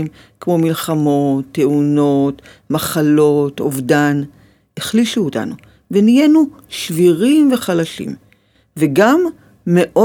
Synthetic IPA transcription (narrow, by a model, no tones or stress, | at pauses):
mkmo̞milχamo̞tːeuno̞t | maχalo̞tovdan | eχliʃuota̰nu | venijenu | ʃviʁimve̞χalaʃḭm | veɡamː | eʔo